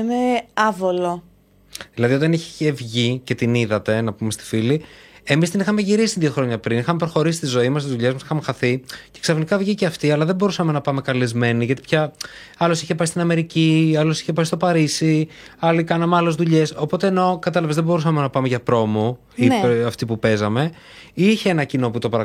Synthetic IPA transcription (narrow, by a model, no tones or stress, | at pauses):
meɐvolo | ðilɐðiot̪ɐniçe̥evʝice̞t̪iniðɐt̪e̞nɐpumest̪i̥filie̞mist̪inixɐmeʝiɾisit̪iðio̞xɾo̞ɲɐpɾinixɐmepɾo̞xo̞ɾisist̪izo̞imɐst̪izðuʎe̞zmɐsi̥xɐmexɐθice̞ksɐfnikɐvʝiceɐft̪iɐlɐðebo̞ɾusɐme̞nɐpɐme̞kɐlizme̞niʝɐt̪ipçɐ | ɐlo̞siçepɐst̪inɐme̞ɾiciɐlo̞si̥çepɐsist̪o̞pɐɾisi | ɐlikɐnɐmeɐle̞zðuʎe̞so̞po̞t̪e̞ːno̞kɐt̪elɐvezðebo̞ɾusɐme̞nɐpɐme̞ʝɐpɾo̞mo | iɐft̪ipupe̞zɐme̞ | içeenɐcino̞put̪o̞pɐɾɐ